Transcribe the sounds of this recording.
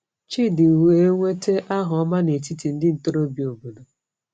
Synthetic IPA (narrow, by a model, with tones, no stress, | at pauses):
t͡ʃi˦dɪ˨we˨˦ŋʷe˦te˦ʔa˦ɦɔ˨ɔ˦ma˦ne˨ti˦ti˨n̩˦dɪ˦n̩˨to˦ɾo˦bi˨o˨bu˨do˨